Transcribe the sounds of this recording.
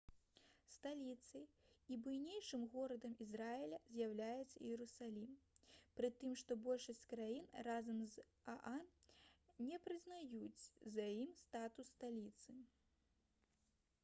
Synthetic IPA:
st̪alʲit̪sɨibujnʲejʂɨmɣɔɾɐd̪ɐmizɾaɛlʲɐzʲjawlʲajɛt̪sɐijɛɾusalʲimpɾɨt̪ɨmʂt̪ɔbɔlʲʂɐsʲt͡sʲkɾajinrazɐmz | a̰ʔan | nʲɛpɾɨznajut͡sʲzajimst̪at̪usːt̪alʲit̪sɨ

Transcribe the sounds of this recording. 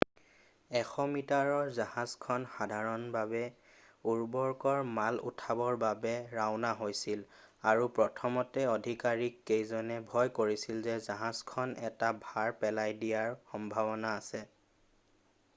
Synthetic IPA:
ɛxɔmitaɹɔɹzahazkʰɔnxadʱaɹɔnbabɛ | uɹbɔɹkɔɹmalṵtʰabɔɹbabɛɹawnaɦojsilaɹupɹɔtʰɔmɔtɛɔdʱikaɹikːejzɔnɛbʱɔjkoɹisilzɛzaɦazkʰɔnɛtabʱaɹpɛlajdijaɹxɔmbʱabɔnaːsɛ

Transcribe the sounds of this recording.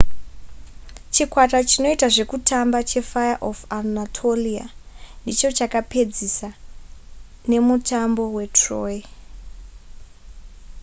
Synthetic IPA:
t͡ʃikwatat͡ʃino̞itaʐe̞kutʰambat͡ʃe̞fajaʔofanatʰolia̰ndit͡ʃo̞t͡ʃakape̞d͡zisa | ne̞mutʰambo̞we̞troːi

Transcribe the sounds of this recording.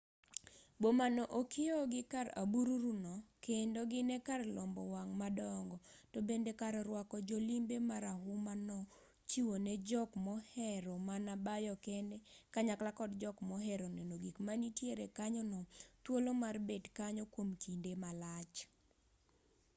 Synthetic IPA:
bomanɔʔokɪɔɡɪkara̰buɾuɾunɔkendoɡɪnɛkarlɔmbɔ̰waŋmadɔŋɡɔtobendekaɾɾwakɔd͡ʒolimbemaɾaɦʊmanɔ | t͡ʃiwoned͡ʒɔkmɔhɛɾɔmanabajɔkɛnɛkaɲaklakɔdd͡ʒɔkmɔɦɛɾɔnɛnoɡikmanitjeɾekaɲɔnɔt̪wolomarbedkaɲɔkwomt͡ʃindemalat͡ʃ

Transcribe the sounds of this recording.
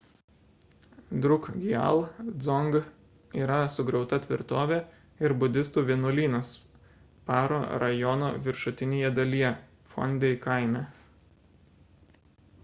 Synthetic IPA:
d̪ɾʊkɡʲiɛ̰lˠd̪zɔŋɡ | iːɾɐsʊɡɾɛʊt̪ɐt̪ʲʋʲɪɾt̪oːʋʲɛ | ɪɾbʊd̪ʲɪst̪uːʋʲiɛnʊlʲiːnos | pɑːɾoːɾɐjɔnoːʋʲɪɾʃʊt̪ʲɪnʲeːjɛd̪ɐlʲijɛ | fɔ̰nʲd̪ʲɛɪkɐɪmʲɛ

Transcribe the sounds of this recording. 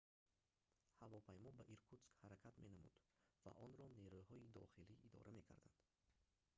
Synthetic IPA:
havɔpʰajmɔbaʔiɾkʰut̪skhaɾakʰat̪me̞namṵd̪̥va̰ʔɔnɾɔneɾuhɔid̪ɔ̰χiliʔid̪ɔ̰ɾʔame̞kʰa̰ɾd̪and̪̥

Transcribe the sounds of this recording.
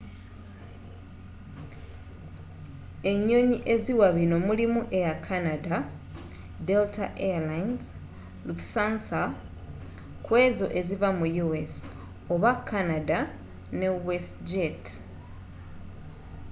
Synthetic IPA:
e̞ɲːo̞ɲiʔe̞ziwaβino̞mulimuʔe̞jakʰːanada | de̞ltaʔealajnz | luksansa | kwe̞ːzo̞ʔe̞zivamujues | o̞βakːanada | ne̞wesd͡ʒet

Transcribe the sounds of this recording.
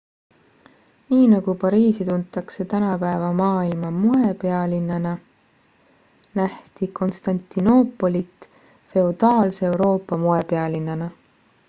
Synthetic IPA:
niːnɑɡ̥upɑɾiːsit̪unt̪ːˑɑkse̞t̪ænɑpæevɑmɑːilmɑmuepe̞ɑlinːɑnɑ | næht̪ikʰo̞nst̪ɑnt̪ːˑino̞pːˑo̞lit̪ˑ | fe̞ud̪̥ɑːlseewɾo̞ːpːˑɑmoe̞pe̞ɑlinːɑnɑ

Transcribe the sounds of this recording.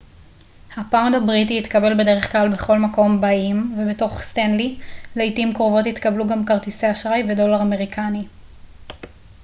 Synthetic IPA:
hapawndabʁitiːtkabe̞lbe̞de̞ʁe̞χklalbe̞χo̞lmako̞mbaimvebeto̞χstanlilejtimkʁovo̞tit̪kabluɡamkaʁtiseaʃʁajvedo̞laʁame̞ʁikʰani

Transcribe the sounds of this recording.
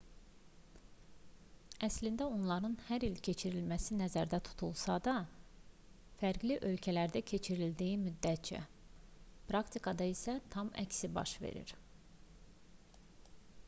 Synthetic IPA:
æslind̪æo̞nlˠɑɾɯnhæɾilcʰe̞t͡ʃʰiɾilmæsinæzæɾd̪æt̪ʰu̥t̪ʰulˠsɑd̪ɑ | fæɾɡliʔø̞lcʰælæɾd̪æcʰe̞t͡ʃʰiɾild̪iimyd̪ːæt̪̚t͡ʃæ̰ | pɾɑkt̪ʰikʰɑd̪ɑisæt̪ʰɑmæ̰csibɑ̰ʃve̞̰ɾḭɾ̥

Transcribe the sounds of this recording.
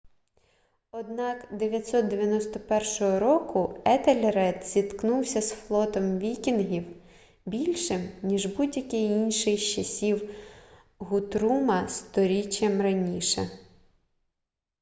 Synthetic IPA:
ɔd̪nɑkd̪eʋʲjɐtʲsɔt̪̚d̪eʋjɐnɔst̪ɔpɛrʃɔɦɔɾɔkʊɛt̪elʲeɾɛd̪z̥ʲit̪knuwsʲɐsflˠɔt̪ɔmʋʲikʲinɦiw | bʲilʲʃɪmnʲiʒbudʲjɐkɪjinʲʃɪjt͡ʃɐsʲiw | ɦʊt̪ɾumɐst̪ɔɾʲit͡ʃʲjɐmrɐnʲiʃɛ

